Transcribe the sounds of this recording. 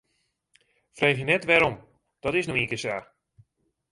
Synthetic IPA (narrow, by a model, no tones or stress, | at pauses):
frejɦənɛtʋɛɾɔm | d̥ɔtɪsnoikəsa